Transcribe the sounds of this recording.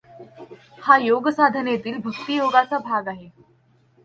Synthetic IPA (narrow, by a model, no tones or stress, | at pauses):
hajoɡəsad̪ʱənet̪iːlbʱək̚t̪ijoɡat͡sabʱaɡaɦe